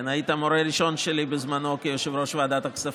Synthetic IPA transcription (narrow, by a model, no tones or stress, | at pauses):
najit̪amoɾeɾiʃo̞nʃelibɪzmanokejoʃevɾoʃvead̪at̪aksaf